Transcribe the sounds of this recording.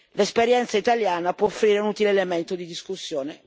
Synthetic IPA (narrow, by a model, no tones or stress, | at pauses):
lespeɾjɛnt̪sait̪aljaːnapwɔofːɾiːɾeunut̪ileːlement̪od̪id̪iskusːjoːne